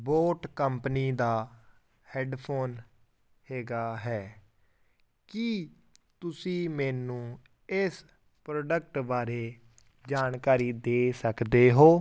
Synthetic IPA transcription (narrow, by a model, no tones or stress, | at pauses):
boːʈkəmpniːd̪aː | hɛːɖpʰoːn | heːɡaːɦɛː | kɪ | t̪ʊsĩːmɛːnũː | ɪs | pɾoːɖək̚ʈbaːɾeː | d͡ʒaːnkaːɾiːd̪eːsəkd̪eːɦoː